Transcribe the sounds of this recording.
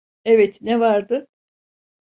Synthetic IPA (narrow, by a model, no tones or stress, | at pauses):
evɛt̪nɛvaɾd̪ɯ